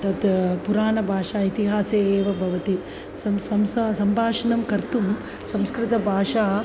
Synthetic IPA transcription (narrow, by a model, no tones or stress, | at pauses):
t̪ɐd̪puɾaːnɐbʱaːʂaːit̪iɦaːseːeːʋɐbʱɐʋɐt̪i | sɐmsɐmssɐmbʱaːʂɐnɐmkɐɾt̪um | sɐmskɾɪt̪ɐbʱaːʂaː